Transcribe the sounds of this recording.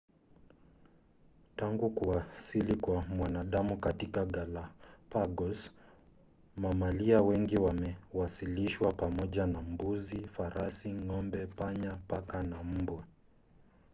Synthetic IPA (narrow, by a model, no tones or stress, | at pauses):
taŋɡukuasilikwamwanaɗamukatikaɠalapaɡɔs | mamaliawɛŋɡiwamɛwasiliʃwapamɔʄanam̩buzifaɾasiŋɔmbɛpaɲapakanam̩bwɛ